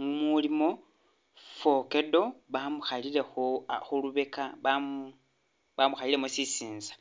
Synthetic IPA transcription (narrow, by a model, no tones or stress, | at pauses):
mulimo̞ | fo̞ke̞do̞βamuxalile̞xoxuluβe̞kaβam | βamuxalilemosisiːnzḁ